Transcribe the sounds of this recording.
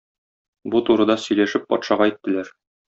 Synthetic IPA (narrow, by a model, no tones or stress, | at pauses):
but̪uɾɤ̆d̪ɑsɵ̆jlæʃɘpːɒ̰t̪ʃɑʁɑit̪ːɘ̆læɾ